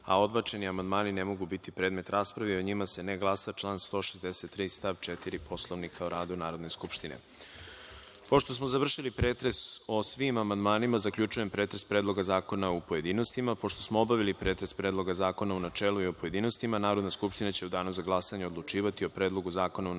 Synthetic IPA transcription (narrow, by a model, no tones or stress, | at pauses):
a̰o̞d̪bat͡ʃe̞niamand̪maːninemo̞ɡubit̪ipɾeːd̪me̞t̪ɾaːspɾaʋio̞ɲimase̞neɡlˠasat͡ʃlˠaːnst̪o̞ːʃezd̪eset̪ːɾiːst̪aʋt͡ʃet̪iɾipʰo̞slˠo̞ʋnikʰaoɾaːd̪unaːɾo̞d̪ne̞skupʃt̪inḛ | po̞ʃt̪o̞smo̞zaʋr̩ʃilipɾeːt̪ɾe̞so̞sʋimamand̪maːnimazakʎʲut͡ʃuje̞mpɾe̞ːt̪ɾespɾeːd̪lˠo̞ɡazaːko̞naupo̞je̞d̪iːno̞st̪imapo̞ʃt̪o̞smoobaʋilipɾe̞ːt̪ɾe̞spɾed̪lˠo̞ɡazaːko̞naunat͡ʃeːlˠuiopo̞je̞d̪ino̞st̪imanaːɾo̞d̪naskupʃt̪inat͡ɕe̞ud̪aːnuzaɡlˠasaɲeo̞d̪lˠut͡ʃiːʋat̪io̞pɾe̞ːd̪lˠo̞ɡuzaːko̞nau